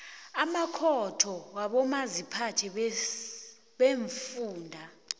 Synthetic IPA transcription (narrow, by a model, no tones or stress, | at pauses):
amakʰɔtʰɔwaɓɔmazipʰatʰɛ | ɓeɱfuːndʱa